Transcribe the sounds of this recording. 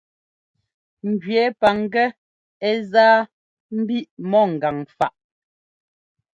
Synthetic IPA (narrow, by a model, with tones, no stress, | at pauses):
ŋ̩˨ɡɥɛː˨˦pa˨ŋ˦ɡɛ˦ | ɛ˦zaː˦ | m̩˦bi˦ʔmɔ˦˨ŋ̩˨ɡa˨ŋfa˨ʔ